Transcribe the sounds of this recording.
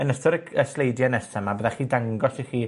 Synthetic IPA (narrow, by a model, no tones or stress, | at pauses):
ənəstʰɔɾəkʰəslejdjanɛsɛmabəðaχiːdaŋɡɔsiχiː